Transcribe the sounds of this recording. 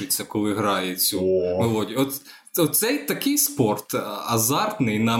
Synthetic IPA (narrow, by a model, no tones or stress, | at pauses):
ʊt͡sʲːɐkɔlˠɪɦɾɑjet͡sʲunʊʋod̪ʲiɔt̪ | ɔt̪sɛjt̪ɐkɪjspɔrt̪ɐzɑrt̪nɪjnɑ